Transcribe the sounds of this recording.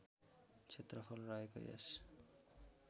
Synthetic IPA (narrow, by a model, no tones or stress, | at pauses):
t͡sʰet̪rʌpʰʌlrʌeko̰jḛs